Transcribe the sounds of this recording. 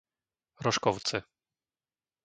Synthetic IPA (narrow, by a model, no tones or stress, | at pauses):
ɾɔʂkɔwt̪sɘ